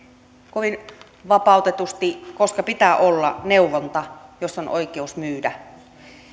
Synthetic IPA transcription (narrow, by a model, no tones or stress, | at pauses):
koʋin | ʋɑpɑˑut̪et̪ust̪ikoskɑpit̪æːʔolːɑ̰neuʋont̪ɑjosːonʔoikeusmyːdæ